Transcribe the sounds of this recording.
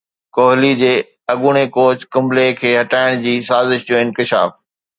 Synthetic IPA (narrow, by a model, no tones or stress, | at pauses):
koːɦɪlid͡ʑeː | ɐɠuɽ̃ekoːt͡ɕkʊ̃mlekʰeːɦɐʈaːɪɽ̃d͡ʑiːsaːzɪʃd͡ʑoːɪ̃nkɪʃa̰ːf